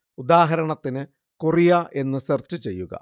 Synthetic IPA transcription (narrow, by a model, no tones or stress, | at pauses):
ud̪aːɦɐɾɐɳɐt̪ːinɨ | kurijaʔe̞nːɨsert͡ɕːɨt͡ɕe̞jːuɣɐ̰